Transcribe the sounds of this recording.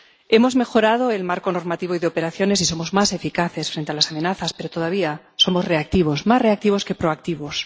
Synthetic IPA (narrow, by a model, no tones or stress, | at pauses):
e̞mo̞zme̞xo̞ɾað̞o̞e̞lmaɾko̞noɾmat̪iβoiðeope̞ɾaθjo̞ne̞siso̞mo̞zmase̞fikaθe̞sfɾe̞nt̪ealasamẽ̞naθaspe̞ɾot̪o̞ðaβ̞ia | so̞mozre̞ak̚t̪iβ̞o̞smasre̞ak̚t̪iβ̞o̞ske̞pɾoak̚t̪iβ̞o̞s